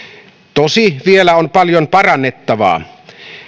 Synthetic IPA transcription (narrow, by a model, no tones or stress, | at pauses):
t̪osiʋielæonpɑljonpɑrɑnːet̪ːɑʋɑ̰ː